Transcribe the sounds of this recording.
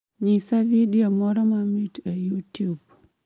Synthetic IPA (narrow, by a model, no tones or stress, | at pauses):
ɲisavidiomɔɾɔmamitajutub